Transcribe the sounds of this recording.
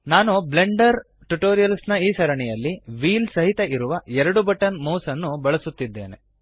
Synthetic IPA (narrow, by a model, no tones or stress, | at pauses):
naːnuble̞ɳɖɐɾ | ʈuʈoːɾijɐlsnɐiːsɐɾɐɳɛjɐlːiʋiːlsɐɦit̪eʔiɾuʋɐɛɾɐɽubɐʈɐnmɐwsɐnːubɐɭɐsut̪ːid̪ːe̞ːne̞̰